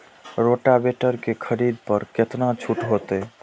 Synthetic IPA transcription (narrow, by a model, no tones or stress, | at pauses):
ɾoʈabeʈəɾkekʰəɾid̪̚pəɾket̪nat͡ʃʰuʈɦot̪e